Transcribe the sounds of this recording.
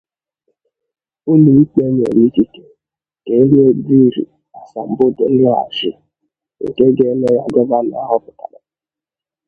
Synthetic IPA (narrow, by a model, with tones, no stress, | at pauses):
ʊ˦ni˨i˦k͡pe˦ɲ˨ḛ˨ɲi˦ti˦te̥˨ | ke˨˦ɲe˦bi˦˨ɾḭ˨ | a˨sa˨m̩˨bʊ˦de˨˦ŋa˦a̰˨ʒɪ˦ | ḛ˨ke˦ɡe˦ne˦ja̰˨ɡɔ˦ba˦n˨a̰˦ɦɔ˦pʊ̥˨ta̰˨ɾa˨